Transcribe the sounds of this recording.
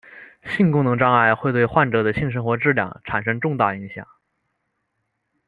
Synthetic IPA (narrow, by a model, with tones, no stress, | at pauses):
ɕi˥˩˧nkʊ˥ŋnɤ˧˥ŋʈ͡ʂɑ˥ŋa˥˧˩ɪxwe˥˧ɪt̪we˥˧ɪxwa˥˩nʈ͡ʂɤ˨˩d̪ə˦ɕi˥˩˧nʂ̬ɤ˥xwɔ˧˥ʈ͡ʂɻ̩˥˧ljɑ̰˥˩ŋʈ͡ʂʰa˨˩nʂɤ˥ŋʈ͡ʂʊ˥˧ŋt̪a˥˩i˧˥ŋɕjɑ̰˨˩˦ŋ